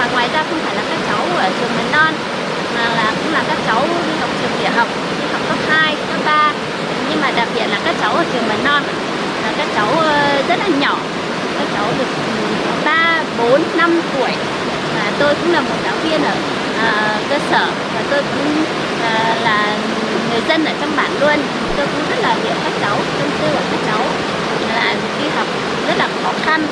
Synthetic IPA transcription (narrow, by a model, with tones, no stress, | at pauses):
aː˨˩ŋwaː˨˩jzaː˧xə˧wŋ͡mfaː˧˩jlaː˨˩kaː˦˥k̚t͡ɕa˨˦wəː˧˩t͡ɕɨ˨˩əŋmə˨˩tnɔ˧n | maː˨˩laː˨˩kʊ̰˧˥ŋ͡mlaː˨˩kaː˦˥k̚t͡ɕa˨˦whə˨˩wk͡p̚t͡ɕɨ˨˩əŋɗḭ˧˨əɦə˨˩wk͡p̚ɲɨ˧˦hə˨˧˩ŋ͡m̚kə˦˥p̚haː˧jə˦˥ɓaː˧˨˩ | ɲɨ˧ŋmaː˨˩ɗaː˨˩k̚ɓi˨˩ət̚laː˨˩kaː˦˥k̚t͡ɕa˨˦wʔəː˨˧˩t͡ɕɨ˨˩əŋmə˨˩tnɔ˧nʔ | aː˨˩kaː˦˥k̚t͡ɕa˨˦wʔə˧zə˦˥t̚laː˨˩ɲɔ˧˩˨ | kaː˦˥k̚t͡ɕa˨˦wɗɨ˨˩ək̚ɓaː˧ | ɓo˨˦nːa˧mt̪u˧˩əj | maː˨˩t̪o˧jkʊ̰˧˥ŋ͡mlaː˨˩mo˨˩t̚zaː˨˦wvi˧ənʔəː˧˩ | ʔəː˨˩ | kəː˧səː˧˩ | vaː˨˩t̪o˧jkʊ̰˧˥ŋ͡m | ʔəː˨˩˨laː˨˩ | ŋɨ˨˩əjzə˧nʔəː˧˩t͡ɕɔ˧wŋ͡mɓaː˧˩˨nlu˧ə˧n˨˩t̪o˧jkʊ̰˧˥ŋ͡mzə˦˥t̚laː˨˩zḭ˨˩˨əwkaː˦˥k̚t͡ɕa˨˦wsə˧msɨ˧ʔəː˧˩kaː˦˥k̚t͡ɕa˨˦w | laː˨˩˨ki˨˧˦ɦə˨˩wk͡p̚ | zə˦˥t̚laː˨˩xɔ˨˦xa˧n